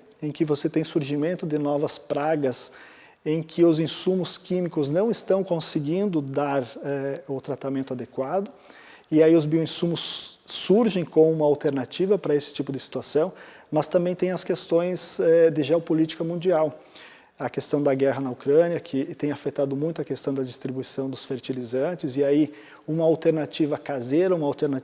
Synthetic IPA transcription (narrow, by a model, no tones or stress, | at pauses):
ẽkɪvoset̪ẽj̃suɾʒimẽnt̪ʊd̪ɪnɔvɐspɾaɡɐs | ẽj̃kʰɪʊzĩsũmʊskĩmikʊznɐ̃w̃ɪst̪ɐ̃w̃kõsɪɡĩnd̪ʊd̪aɾɛʊt̪ɾat̪amẽnt̪ʊad̪ekwad̪ʊ | ɪaiʊzbiʊẽsũmʊsːuɾʒẽj̃kõũmɐawt̪eɾnat͡ʃivɐpɾɐesɪ̥t͡ʃipʊd̪ɪsi̥t̪uasɐ̃w̃mɐst̪ɐ̃mbẽj̃t̪ẽj̃ɐskest̪õj̃zɛd̪ɪʒeopolit͡ʃi̥kɐmũnd͡ʒiaw | ɐkest̪ɐ̃w̃d̪ɐɡɛɦɐnɐokɾɐ̃njɐkʰɪt̪ẽj̃afet̪ad̪ʊmũj̃t̪ʊɐkest̪ɐ̃w̃d̪ɐd͡ʒist̪ɾibuisɐ̃w̃d̪ʊsfeɾt͡ʃilizɐ̃t͡ʃɪzɪai | ũmɐawt̪eɾnat͡ʃivɐkazeɾɐũmɐawt̪eɾna